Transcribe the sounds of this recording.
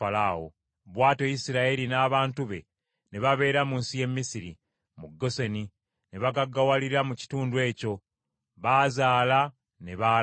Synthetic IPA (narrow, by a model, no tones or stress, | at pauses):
alawo̰ | βwaːto̞jisiɾaelinaːβaːntuβe̞̰ | ne̞βaβe̞ːɾamuːnsije̞mːisiɾḭ | muɡːo̞seni | neβaɡaɡːawaliɾamuci̥tuːndwe̞ːco̞ | βazaːla | ne̞βa